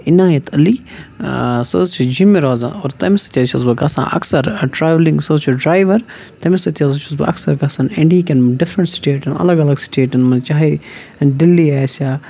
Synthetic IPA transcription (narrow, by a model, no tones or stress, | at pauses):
inaːjɐt̪ʰɐli | sɐ̰zt͡ʃʰud͡ʒimiɾoːzã̰no̰ːɾt̪ɐmisɐ̥t̪ʰʲjɐt͡ʃʰɐzbɐɡɐsã̰ːʔɐ̰ksɐɾʈɾaːʋlĩŋɡsɐzt͡ʃʰuɖɾaːjʋɐɾ | t̪ɐmisɐt̪ʲijɐzɐt͡ʃʰusbɐ̰ɐ̰ksɐɾɡɐsɐnɛ̃ɳɖiːkenɖɪfɾɐɳʈsʈeːʈɐnɐ̰lɐɡɐlɐɡsʈeːʈɐnmɐt͡ʃaːɦiɖilːiaːsaː